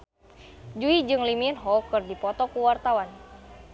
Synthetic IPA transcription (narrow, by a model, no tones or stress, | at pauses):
d͡ʒuid͡ʒɨŋliminɦɔkɨrdipɔt̪ɔkuwart̪awan